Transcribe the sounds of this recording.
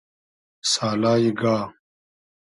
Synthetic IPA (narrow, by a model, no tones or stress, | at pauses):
saːlaːjiɡaː